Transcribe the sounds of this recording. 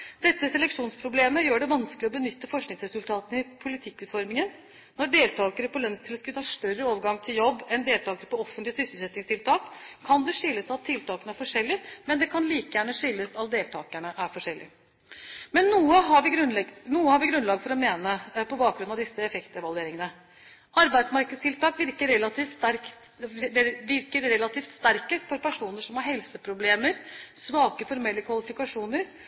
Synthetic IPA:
d̪ɛt̪ːəsɛlɛkʂuːnspʰɾʊbleːməjøːɖɛʋɑnsklɪɔbənʏt̪ːəfɔʂknɪŋsɾɛsʉlt̪ʰɑːt̪ənəɪpʰʊlɪt̪ʰɪkːʉːt̪fɔɾmɪŋən | nɔɖeːlt̪ʰɑːkəɾəpɔlœnst̪ʰɪlɔskʉt̪ʰɑːʂt̪œɾəoːʋəɾɡɑŋt̪ʰɪljɔbːɛnd̪eːlt̪ɑːkəɾəpɔɔfənt̪lɪəsʏsl̩sɛt̪nɪŋst̪ʰɪlt̪ʰɑːkkʰːɑnd̪ɛʂʏlːəsɑt̪ʰːɪlt̪ʰɑːkənəæɾfɔʂɛlːɪmɛnd̪ɛkʰɑnliːkəjæːɳəʂʏlːəsɑt̪̚d̪eːlt̪ʰɑːkəɳəʔæɾfɔʂɛlːɪ̰ | mɛnːuːəɦɑʋɪɡɾnɛnuːəhɑɾʋɪɡɾʉnlɑːɡfɔɾɔmeːnəpɔbɑːk̚ɡɾʉnɑʋd̪ɪsːəɛfɛkt̪əʋɑld̪eːɾɪŋənə | ɑɾbæɪd̪smɑɾkəd̪st̪ʰɪlt̪ʰɑːkʋɪɾkəɾɛlːɑt̪iːfæɾ | ʋɪɾkəɾɾɛlːɑt̪iːft̪st̪æɾkəst̪fɔɾpæʂuːnəʂɔmhɑɾɦɛlsəpʰɾʊbleːməɾsʋɑːkəfɔɾmɛlːəkʰʋɑlɪfɪkɑʂuːnəɾ

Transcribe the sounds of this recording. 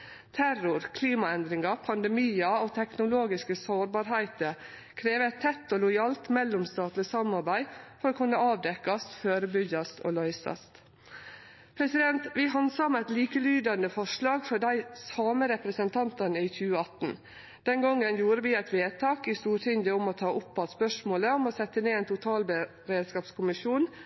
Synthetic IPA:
t̪ʰæɾʊɾkʰliːmɑɛnd̪ɾɪŋɑpʰɑnd̪ɛmiːɑoːt̪ʰɛknʊloːɡɪskəsoːɾbɑːɾɦæɪt̪ə | kʰɾeːʋəæɪt̪ʰːɛt̪ːɔːlʊjɑːlt̪mɛlːʊmst̪ɑːt̪lɪsɑmɑɾbæɪfɔɾoːkʰʉnːəʔɑːʋd̪ɛkːɑst̪føːɾəbʏɡɑst̪ʰo̰ːlœʏsɑ̰st̪ | pʰɾɛsɪd̪ɛnt̪ʋɪɦɑnsɑmæɪt̪liːkəlyːd̪ɑnəfɔʂlɑːɡfɔɖæɪsɑːməɾɛpɾəsənt̪ʰɑnt̪ɑnəɪçʉːəɑt̪n̩ | d̪̥ɛnɡɔŋːənjuːɾəʋɪæɪt̪ʋeːt̪ʰɑːkɪst̪uːɾt̪ʰɪɲd̪əɔmɔt̪ʰɑːʔʊpbɑspœʂmoːləɔmɔsɛt̪ːəneːeːnt̪ʰʊt̪ʰɑːlbə | ɾeːd̪skɑːpskʰʊmɪʃjuːn

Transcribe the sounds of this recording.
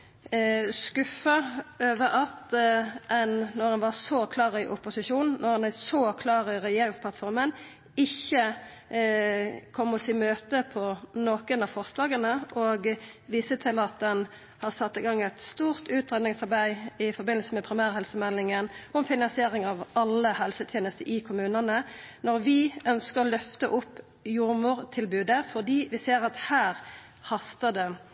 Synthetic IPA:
skʉfəøːʋəɾɑt̪ʔɛnːɔɾɑnʋɑsɔkʰlɑːʁɪʔʊpʊsɪʃuːnːɔʁɑnæsɔkʰlɑːɾɪʁɛjeːɾɪŋspʰlɑt̪fɔɾmən | ɪçːə | kʰɔmːɔsiːmøːt̪əpʰɔnoːkənɑʋfɔʁst̪lɑːɡənəʔɔɡʋiːsət̪ʰɪlɑt̪̚d̪ɛn | hɑʁsɑt̪ːɪɡɑŋːɛt̪st̪uːʁt̪ʉːt̪ʁɛd̪ɪŋsɑʁbæɪɪfɔbɪnl̩səmɛpʰɾɪmæːʁəhɛlsəmɛlːɪŋənɔmfɪnɑnsɪeːʁɪŋɑʋɑlːəhɛlsət̪ʰjeːnəst̪əʔɪkʰʊmʉːnənənɔʁʋɪœnskəʁɔlœft̪əʔʊpː | juːʁmuːʁt̪ʰɪlbʉːd̪əfɔʁd̪iːʋɪseːʁɑt̪hæːʁ | hɑst̪əd̪ɛ

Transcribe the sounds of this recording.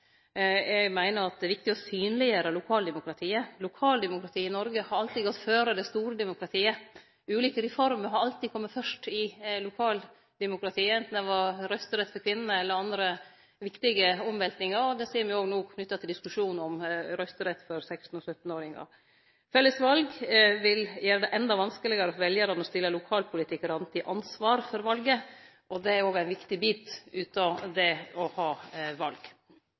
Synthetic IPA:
ɛɡmæɪnəɾɑt̪̚d̪ɛʋɪkt̪ɪɡɔsyːnlɪəɾəlʊkʰɑːld̪ɛmʊkɾɑt̪ʰiːəlʊkʰɑːld̪ɛmʊkɾɑt̪ʰiːɪnɔɾɡəhɑɾɑlt̪iːɡɔt̪ːføːɾəd̪ɛst̪uːɾəd̪ɛmʊkɾɑt̪ʰiːə | ʉːliːkəɾɛfɔɾməɾɦɑɾɑlt̪iːkʰɔmːət̪fœʂʈɪlʊkʰɑːl | d̪ɛmʊkɾɑt̪ʰiːɛnt̪n̩d̪ɛʋɑɾɾœst̪əɾɛt̪ːfɔɾkʰʋɪnːənəɛlːəɾɑnd̪ɾə | ʋɪkt̪ɪɡəɔmʋɛlt̪nɪŋɑɾɔd̪ɛsiːɾmɪoːɡnuːkʰnʏt̪ːɑt̪ʰɪld̪ɪskʉʂuːn̩ɔmɾœst̪əɾɛt̪ːfɔɾsɛkst̪n̩ɔsœt̪ːn̩oːɾɪŋɑ̰ | fɛlːəsʋɑlɡʋɪljæːɾəd̪ɛʔɛnd̪ɑʋɑnskəlɪɡɑɾəɔfɔʋɛljəɾɑnɔst̪ɪlːəlʊkʰɑːlpʰʊlɪt̪ʰɪkːəɾɑnt̪ʰɪʔɑnsʋɑːɾfɔɾʋɑlɡə | ʔɔd̪ɛæɾoːɡæɪnʋɪkt̪ɪbiːt̪ʉːt̪ɑd̪ɛɔhɑːʋɑlɡ

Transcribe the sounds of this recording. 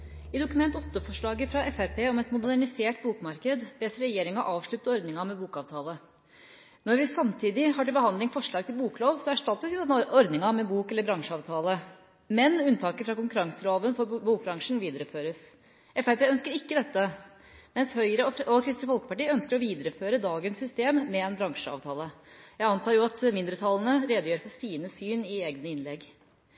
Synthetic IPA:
ɪd̪ʊkʉmɛnt̪ɔt̪ːəfɔʂɭɑːɡəfɾɑʔɛfæɾpeːɔmɛt̪mʊd̪æɳɪseːʈbuːkmɑɾkəd̪ʋeːsəɾɛjeːɾɪŋɑʔɑːʋʂɭʉt̪ːəɔɾd̪nɪŋɑmɛbuːkɑːʋt̪ʰɑːlə | nɔɾʋɪsɑmt̪ʰiːd̪ɪhɑːʈɪlbəhɑnd̪lɪŋfɔʂɭɑːɡ̚t̪ʰɪlbuːkloːʋsɔæʂʈɑt̪ːəsʋɪd̪ɛnɔɾd̪nɪŋɑmɛbuːkɛlːəɾbɾɑŋʂəɑːʋt̪ʰɑːlə | mɛnʉnt̪ʰɑːkəfɾɑkʊŋkʉɾɑŋsəloːʋənfɔɾbuːk̚bɾɑŋʂɳ̩ʋiːd̪əɾəføːɾəs | ɛfæp̪æœnskəɾɪkːəd̪ɛt̪ːə | mɛnshœʏəɾəɔɔkʰɾɪst̪əfɔlkə̥pɑʈiːœnskəɾɔʋiːd̪əɾəføːɾəd̪ɑːɡənsːʏst̪eːmːɛɛnbɾɑŋʂəɑ̰ʋt̪ʰɑːləjæɪɑnt̪ʰɑːɾjʊɑt̪mɪnd̪ɾət̪ʰɑːlənəɾeːd̪əjøːɾfɔsiːnəsyːnɪeːɡnəɪnlɛɡ

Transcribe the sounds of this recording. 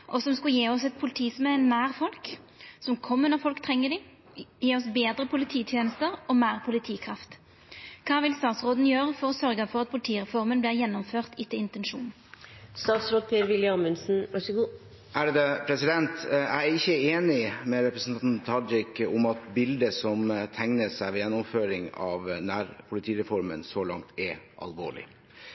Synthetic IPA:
ʔɔsɔmskʉljeːɔsɛt̪̚pʰʊlɪt̪ʰiːsmɛnnæːʁfɔlk | sɔmkʰɔmːənɔʁfɔlkt̪ʰʁɛŋːəd̪ɪ | jeːɔsbeːd̪ʁəpʰʊlɪt̪ʰiːt̪ʰjeːnəst̪əʁɔmæːʁpʰʊlɪt̪ʰiːkʰɾɑft̪ | kʰɑːʋɪlst̪ɑːt̪sʁoːd̪n̩jøːʁəfɔɾɔsœɾɡəfɔʁɑt̪̚pʰʊlɪt̪ʰiːʁɛfɔʁmənbliːʁjɛnːɔmføːʁt̪ɪt̪ːɪɪnt̪ɛnʃṵːn̩st̪ɑːt̪sɾoːd̪̚pʰeːɾʋɪləɑmʉnsn̩ʋɑʂɔɡuː | ʔæɖd̪ɛpʰɾɛsɪd̪ɛnt̪æɪɪçːəeːnɪmɛɾɛpɾəsn̩nt̪ʰɑd͡ʒɪkʊmɑt̪bɪld̪əsɔmt̪ʰæŋnəsæɪʋɛjɛnːʊmføːɾɪŋɑːʋnæːɾpʰʊlɪt̪ʰiːɾɛfɔɾmə̰nsɔlɑ̰ŋt̪ʰɛɾʔɑ̰lʋo̰ːɭɪ̰

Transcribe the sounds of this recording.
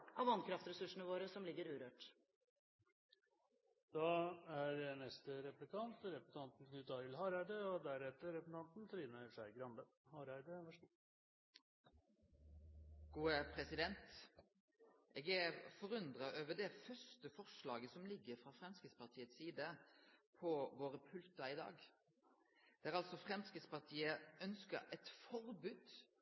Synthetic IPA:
ʔɑʋɑnkʰɾɑft̪ɾɛsʉʂɳ̩əʋoːɾəsɔmlɪɡːəɾʉːɾøːʈ | d̪̥ɑæɾɛnɛst̪əɾɛplɪkʰɑnt̪ɾɛp̪ɑnt̪n̩kʰnʉt̪d̪ɑːɾɪlhɑːɾæɪd̪əɔd̪æɾɛt̪ːəɾɛp̪t̪ʰɑnt̪n̩t̪ʰɾiːnəʂæɪɡɾɑnd̪ə | hɑːɾæɪd̪əəʂ | ɡ̥uːəpʰɾɛsɪd̪ɛnt̪ | ʔeːɡæʁfɔʁʉnd̪ʁɑʔøːʋəd̪ɛfœʂt̪əfɔʁʂlɑːɡəsɔmlɪɡːəɾfʁɑːfʁɛmskəspɑʁt̪ʰiːət̪siːd̪əpʰɔʋoːʁəpʰʉlt̪ɑɪd̪ɑ̰ːɡ | d̪̥ɛæːʁɑlsɔfʁɛmskəspɑʁt̪ʰiːəœnskəɛt̪fɔɾbʉːd̪̥

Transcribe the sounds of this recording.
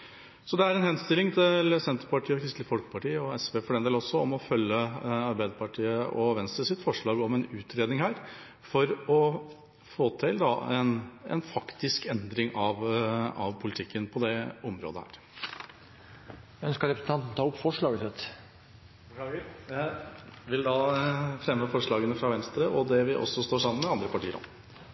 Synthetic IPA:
sɔd̪ɛæɾɛnhɛnst̪ɪlɪŋt̪ʰɪləsɛnt̪ɾpɑʈʰiːɔkɾɪst̪lɪfɔlkə̥pʰɑʈiːəɔɛspeːfɔɖɛneːlɔsɔɔmɔfœlːəɑɾbæɪd̪əɾpɑʈʰiːəʔɔʋɛnst̪ɾəsɪt̪fɔʂɭɑːɡɔmɛnʉːt̪ʰɾeːd̪nɪŋhæːɾ | fɔɾɔ | foːt̪ʰɪld̪ɑɛnɛ̰nfɑkt̪ɪskɛnd̪ɾɪŋɑʋɑ̰ʋpʰʊlɪt̪ʰɪkːənpʰɔd̪ɛɔmɾo̰ːd̪ə̰hæ̰ːɾ | œnskɑɾɛpɾəsn̩ɑnt̪n̩t̪ʰɑːʊpːfɔʂɭɑːɡət̪ɛt̪ | ʋɪld̪ɑfɾɛmːəfɔʂɭɑːɡənəfɾɑʋɛnst̪ɾəʔɔd̪ɛʋɪʔɔ̰sɔst̪oːʂɑmːənmɛɑnd̪ɾəpɑʈiːəɾɑ̰

